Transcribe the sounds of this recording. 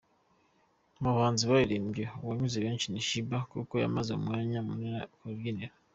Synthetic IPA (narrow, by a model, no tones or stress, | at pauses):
maβaːnziβajiɾimbjowaɲuzeβiːnʃiniʃibakukoja̰mazeumŋaːɲamunkoɾɡiniɾa